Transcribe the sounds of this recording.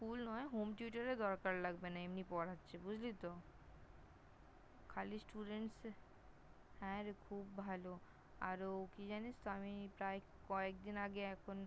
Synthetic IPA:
fulnɔeɦomʈjuʈaɾed̪ɔɾkaɾlaɡbenaemnipɔɾatːɕʰebud͡ʑʱlit̪o | kʰalisʈuɖeɳʈs | hɛ̃ɾekʰubːʱalo | a̰ɾokid͡ʑanit͡ɕt̪oamipɾae | kɔek̚d̪inaɡeɛkʰon

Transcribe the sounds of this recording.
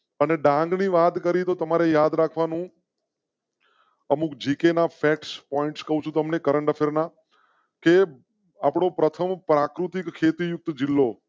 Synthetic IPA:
əneɖãŋɡniʋat̪kəɾit̪ot̪əmaɾejad̪ɾakʰʋanũ | əmukd͡ʒikenafʰɛkspɔɪɳʈskəɦũt͡ʃʰũt̪əmnekəɾəɳɖafʰeɾna | ke | apɽ̃opɾət̪ʰəmpɾakɾut̪ikkʰːet̪ijʊk̚t̪d͡ʒɪlːo

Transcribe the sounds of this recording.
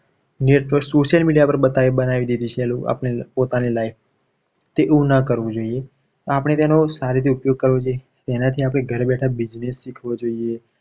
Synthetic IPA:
neʈʋəɾksoʃjəlmiɽijapəɾbət̪aiənaʋid̪id̪it͡ʃʰelua̰pɳ̃epot̪anelaif | t̪eʔũnakəɾʋũd͡ʒoie | t̪apəɽ̃et̪enosaɾit̪ʰiupjoɡ̚kəɾʋod͡ʒoje | t̪enat̪ʰiapɽ̃eɡʱəɾbɛʈʰabid͡ʒnesːikʰʋod͡ʒoie

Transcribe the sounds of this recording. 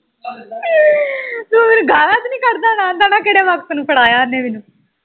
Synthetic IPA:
somɪnũːɡaːlaːt͡ʃnĩːkəɾd̪aːnãːnd̪aːnãːkeːɽeːʋəkt̪nũːpəɽaːjaːnẽːmɪnũː

